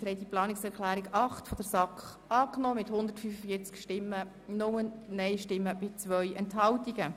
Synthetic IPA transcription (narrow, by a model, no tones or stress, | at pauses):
hɛɪtdiplɑːnɪksɛɾklæːɾiɡɑχtfɔd̥əɾsɑkχ | ʔɑːknɔːmɪthʊnd̪əɾtfyfəfiːt͡skʃtɪmːə | nʊmənɛɪʃtɪmːəb̥ɪt͡svœʏɛnthɑltiɡə